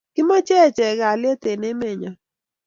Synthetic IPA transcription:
ɡ̥ɪ˦ma˦t͡ʃɛ˦˨t͡ʃɛ˨ɡa˨le˦t̪e˨ne˦me˦˨ɲa˨

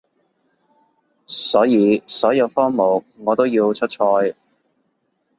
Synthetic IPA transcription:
sɔː˨˥jiː˨˧sɔː˨˥jɐ˨˧wfɔː˥ŋmo˨w | ŋɔː˨˧t̪o˥wjiː˧wt͡ʃʰɵ˥t̚t͡ʃʰɔː˧j

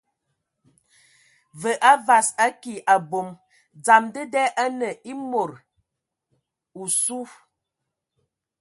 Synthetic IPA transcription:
və˨ʔa˦va˨sa˦ki˨ʔa˨bo˨m | d͡za˨mdə˦dɛ˦ʔa˦nə˨ʔi˦mo˨ɾ | u˨su˦

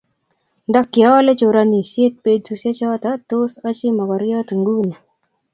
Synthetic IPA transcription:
dɔ˦kːɪ˨ɔ˦le˦t͡ʃo˨ɾa˦ni˨sje˦t̪̚pe˦d̚tu˧sje˦t͡ʃɔ˦t̪a˦t̪o˦sa˦t͡ʃɪ˦mɔ˨kɔ˨ɾjɔ˦t̪ŋɡu˦ni˨

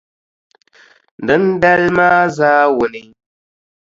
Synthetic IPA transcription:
n˨də˨˦n̩˦da˦lmaː˦zaː˦wo˨ni˦ɲ

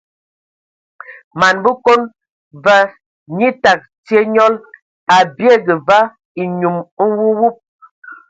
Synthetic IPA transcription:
ma˨nbu˦ko˦n | va˦ | ɲi˦ta˨k̚ti˦e˦ɲɔ˦l | a˨bje˦˨ɡə˨va˦ | i˨ɲu˨m̩˦wu˦wu˦p̚

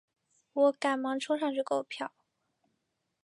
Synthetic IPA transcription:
wɔ˧˥ka˨˩nmɑ˧˥ŋʈ͡ʂʰɤ˥ŋʂɑ˥˧ŋt͡ɕy˥˩ko˥˩pʰjɑ˥˩ʊ

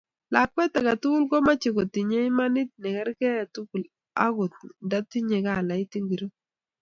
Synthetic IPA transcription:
la˨kɛ˦ta˨ka˨tu˦ku˦lko˦ma˦t͡ʃe˨ko˨ti˨ɲe˦i˦ma˦nɪ˦t̪̚nɛ˨kɛ˦ɾkɛ˦a˨tu˦ku˨l | a̰˦ɡʊ˨t̪nda˦ti˦ɲe˨ka˦˨la˨i˦ti˦ŋɡi˨ɾo˦

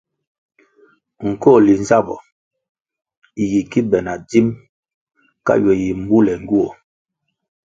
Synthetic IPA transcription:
ŋ̩˨kɔ˦˨li˨n˦za˦bɔ̰˨ | ji˨ki˦bɛ˨na˨di˦m | ka̰˦ɥɔ˨ji˨m̩˦bu˦lɛ˨ŋ˦ɡu˦ɔ˨

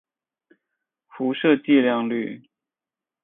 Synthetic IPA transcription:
fu˧˥ʂɤ˥˧t͡ɕi˥˧ljɑ˥˧ŋly˥˩

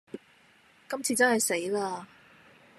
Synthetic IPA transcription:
kɐ˥mt͡sʰiː˧t͡sɐ˥nhɐ˨jse˨˥jlaː˧

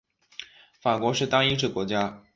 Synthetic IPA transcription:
fa˨˩kwɔ˧˥ʂɻ̩˥˩t̪ɑ˥ŋi˥ʈ͡ʂɻ̩˥˩kwɔ˧˥t͡ɕja˥

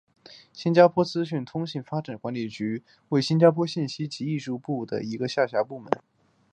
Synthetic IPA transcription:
ɕi˥nt͡ɕja˥pʰwɔ˥t͡sɹ̩˥ɕy˥˩nt̪ʰʊ˥ŋɕi˥˩nfa˥ʈ͡ʂa˨˩nkwa˧˥nli˨˩t͡ɕy˧˥ | we˥˩ɪɕi˥nt͡ɕja˥pʰwɔ˥ɕi˥˩nɕi˥t͡ɕi˧˥i˥˧ʂu˥˧pu˥˩d̪ə̰˩i˧˥ɡə˧ɕja˥˩ɕja˧˥pu˥˩mə˧˥n

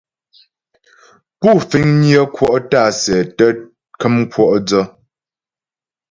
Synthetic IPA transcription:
pu˦˨fi˨˦ŋnjə˦kwɔ˦˨ʔta˦˨sɛ˨tə˦ | kə˦m˦kwɔ˦˨ʔd͡zɔ˦

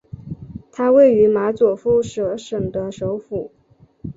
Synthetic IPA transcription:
t̪ʰa˥we˥˩ɪy˧˥ma˧˥t͡swɔ˨˩fu˥ʂɤ˧˩ʂɤ˨˩ŋd̪ə˦ʂo˧˥ʊfu˨˩˦

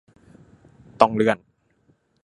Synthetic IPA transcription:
t̪ɔ˧ŋlɯ˧˩ən

